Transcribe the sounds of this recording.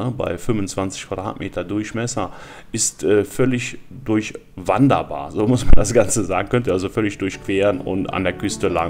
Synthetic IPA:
əba̰ɪfʏmvʊnt͡sv̥ant͡sɪ̥çkv̥ad̥ʁa̰ːtmeːtʰɐdʊɐçmɛsɐ | ʔɪstʔɛːfœlɪçd̥ʊɐç | vandɐba̰ːɐzoːmʊsmandasɡ̥ant͡səzaːɡŋ̩kʰœntəʔalzofœlɪçd̥ʊɐçkv̥eːʁənʊ̰nta̰ndeːɐkʰʏstəla

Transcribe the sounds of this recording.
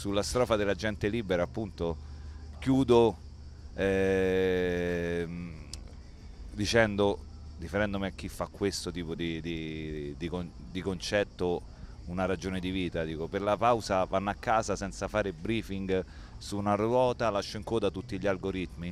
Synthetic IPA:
sulːast̪ɾɔːfad̪elad͡ʒɛnt̪eliːbeɾaapːunt̪okjuːd̪o | ɛ | m | d̪it͡ʃɛnd̪o | d̪ifeɾɛnd̪omiak̟ːifːakːwest̪ot̪iːpod̪id̪id̪iko | d̪ikont͡ʃɛt̪ːo | unaɾad͡ʒoːned̪iviːt̪ad̪iːkoperlapawzavanːakːaːzasɛnt̪safaːɾebɾiːfiŋɡ | suːnaɾwɔːt̪alaʃːoiŋkoːd̪at̪ut̪ːiʎalɡoɾit̪mi

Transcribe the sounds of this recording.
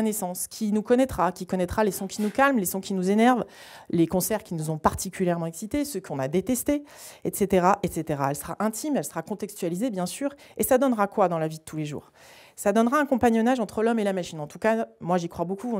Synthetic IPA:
nesɑ̃skʲʰinukɔnɛt̪χakʲikɔnɛt̪χalesɔ̃kʲinukalmlesɔ̃kʲinuzenɛʁv | lekɔ̃sɛʁkʲinuzɔ̃paʁt̪ʰikʲyljɛʁmɑ̃ɛksit̪esəkɔ̃nad̪et̪ɛst̪e | ɛt̪set̪eʁaʔɛt̪set̪eʁaɛlsə̥ʁaʔɛ̃t̪ʰimɛlsə̥ʁakɔ̃t̪ɛkst̪yalizebjɛ̃syːʁ | esad̪ɔnʁakwad̪ɑ̃lavid̪ət̪ʰuleʒṵːʁ | sad̪ɔnʁaɛ̃kɔ̃paɲjɔnaʒɑ̃t̪χəlɔmelamaʃinɑ̃t̪ukamwaʒikχwabokũ

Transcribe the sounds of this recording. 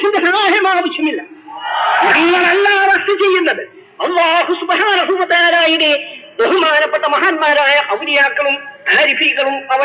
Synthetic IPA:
sind̪ɐsɐɦaːɦɐmaːbit͡ʃʰːumilːɐ | ɐɽiuɐlːaːʋɐʂɐt͡ɕejːunːɐðɨ | ɐlːaːɦusubɐɦaːnɐɦuːʋɐt̪ɐjaːɾaːjiɽed̪oɦɐmaːnɐpːɐʈːɐmɐɦaːnmaːɾaːjɐʔɐʋiɽijaːkːɐɭumaːɾifiːɣɐɭumɐʋɐ

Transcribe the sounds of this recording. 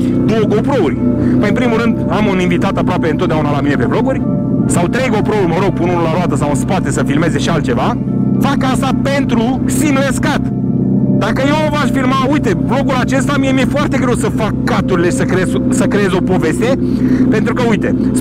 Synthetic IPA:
d̪owoɡopɾourʲpəjɨnpɾimuɾɨnd̪amuninvit̪at̪apɾoapeɨnt̪ot̪d̪aunalamine̞pe̞vlo̞ɡurʲ | sawt̪ɾe̞jɡo̞pɾo̞urʲməɾo̞ɡ̚punurlaɾoad̪əsawunspat̪esəfilme̞ze̞ʃialt̪t͡ʃe̞va | fakast̪ape̞nt̪ɾu | simleskat̪ | d̪akəjewovaʃfilmaujt̪e̞blo̞ɡulat͡ʃe̞st̪amiemiefoart̪e̞ɡɾe̞wsəfakːat̪uɾile̞ʃi̥səkɾeezsəkɾejezʲo̞po̞ve̞st̪e̞ | pe̞nt̪ɾukəujt̪e̞

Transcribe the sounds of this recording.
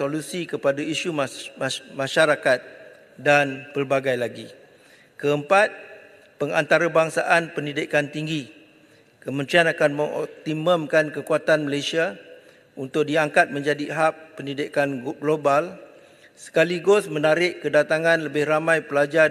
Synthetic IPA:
olusikəpadaiʃu | mãʃaɾakat̪̚ | danpərbaɡajlaɡi | kəəmpat̪̚ | pəŋa̰nt̪aɾabaŋsaʔanpəndidɪkant̪iŋɡi | kəmə̃nt̪ɾianakanmə̃ŋɔ̰p̚t̪iməmkankəkuat̪anməlajsia | unt̪ʊk̚diaŋkat̪̚mə̃ɲd͡ʒadiɦak̚pːəndidɪkanɡɡlobal | sə̥kaliɡʊsmənaɾɪʔkədat̪aŋãnləbɪhramãjpəlad͡ʒa

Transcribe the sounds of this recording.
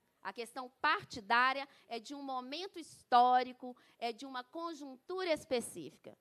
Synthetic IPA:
ɐ̰kest̪ɐ̃w̃paɾt͡ʃid̪aɾiɐ | ɛd͡ʒɪũmomẽnt̪ʊist̪ɔɾikʊ | ɛd͡ʒɪũmɐkõʒũt̪uɾɐispesḭfi̥kɐ̰

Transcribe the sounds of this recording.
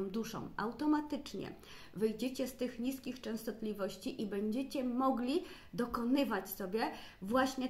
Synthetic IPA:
m̃d̪uʂɔ̰̃wa̰wt̪ɔmat̪ɘt͡ʂɲɛ̰ | vɘjd͡ʑɛt͡ɕɛst̪ɘxɲiskʲixt͡ʂɛ̃w̃st̪ɔt̪lʲivɔɕt͡ɕiʔibɛɲd͡ʑɛt͡ɕɛmɔɡlʲi | d̪ɔkɔnɘvat͡ɕsɔbʲjɛvwaɕɲɛ

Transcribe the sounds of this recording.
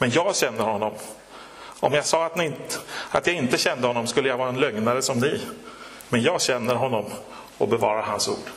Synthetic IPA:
mɛnjɑːɡɕɛnːəɾhɔnːɔm | ʔɔ̰mjɑɡsɑːat̪nɪat̪jɑɪnt̪əɕɛnd̪əhɔnːɔmskɵlːəjavɑːɾaɛnlœŋnaɾəsɔmnɪ | mɛnjɑːɡɕɛnːəɾɦɔnːɔm | ɔ̰bɛvɑːɾaɾɦansṵːɖ

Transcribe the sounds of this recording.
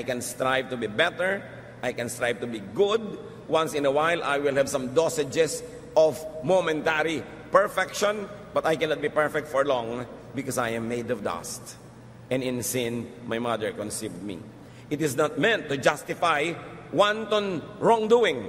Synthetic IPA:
ʔajkɛ̃nst̪ɹajvt̪ʊbibɛt̪ɛɹ | ʔajkɛ̃nst̪ɹajvt̪ʊbiɡʊd̪̚ | wãnsɪ̃nəwajlʔa̰jwɪlˠhɛvsɐ̃md̪ɔsɪd͡ʒɛs | ʔɔvmomɛ̃nt̪aɾi | pɛɹfɛkʃɔ̃n | bɐt̪ajkɛ̃nat̪̚bipɛɹfɛk̚t̪fɔɹlɔ̃ŋ | bɪkɔsajɛ̃mːejd̪ɔvd̪a̰st̪ | ʔɛ̃nɪ̃nsɪ̃nmajmad̪ɛɹkɔ̃nsivd̪̚mḭ | ʔɪt̪ɪsnat̪̚mɛ̃nt̪ːʊd͡ʒast̪ɪfaj | want̪ɔnɹɔ̃ŋd̪uɪ̃ŋ

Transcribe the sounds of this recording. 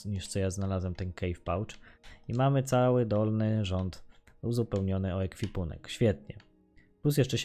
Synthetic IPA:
ɲiʂt̪sɔjaznalazwɛmt̪ɛnkɛjfpawt͡ʂimamɘt̪sawɘd̪ɔlnɘʐɔnt̪ | uzupɛwɲɔnɘɔɛkfʲipunɛ̰kɕfʲjɛt̪̚ɲɛ̰ | plusjɛʂt͡ʂɛɕ

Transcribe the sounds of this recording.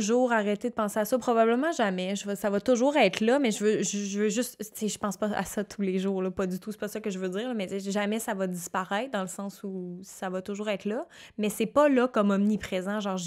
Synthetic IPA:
ʒuːʁaʁɛt̪ed̪əpɑ̃seasʌpχɔbabləmɑ̃ʒamɛʒəvʌsavʌt̪ʊʒuːʁɛːt̪lʌmɛʒəvøʒʒəvøʒʏst̪t͡seʒəpɑ̃spʌa̰sʌt̪ʰuleʒuːʁlɔpʌd̪yt̪usɛ̥pʌsʌkəʒəvødd͡ziːʁləmɛt͡seʒamɛsavʌd̪d͡z̪ispaʁɛɪt̪̚d̪ɑ̃ləsɑ̃susavʌt̪ʊʒuːʁɛːt̪lʌmɛsɛpʌlʌkɔmɔmnipχezɑ̃ʒɑ̃ːʁʒ

